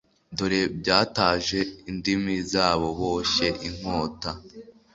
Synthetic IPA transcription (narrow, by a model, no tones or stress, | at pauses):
doɾebɟaːtaːʒe̞indimizaːβo̞βoːʃeʔiŋ̥oːta